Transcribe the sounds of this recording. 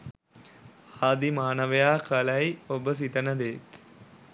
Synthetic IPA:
haːd̪imaːnəʋejaːkɐlɐjiobəs̬it̪ənəd̪eːt̪

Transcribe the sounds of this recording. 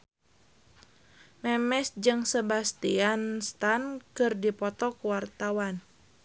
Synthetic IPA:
mɛmɛsd͡ʒɨŋsəbast̪ianst̪ankɨrdipɔt̪ɔkuwart̪awan

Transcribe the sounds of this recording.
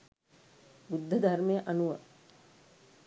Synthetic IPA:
bud̪ʱːəd̪armejəʔanuʋə

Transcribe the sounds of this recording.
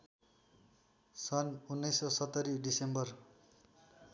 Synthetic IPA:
sʌnunːʌjsʌsʌt̪ːʌɾiɖisembʌr

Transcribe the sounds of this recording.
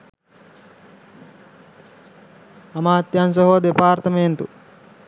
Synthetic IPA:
ɐmaːt̪jans̬ɐɦoːd̪epaːɾt̪ɐment̪u

